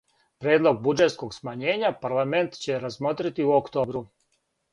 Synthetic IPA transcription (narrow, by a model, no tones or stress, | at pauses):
pɾe̞ːd̪lˠo̞ɡ̚bud͡ʒe̞t̪sko̞ɡsmaɲe̞ːɲapaɾlˠame̞nt̪t͡ɕe̞ɾazmo̞ːt̪ɾit̪iuokt̪o̞ːbɾu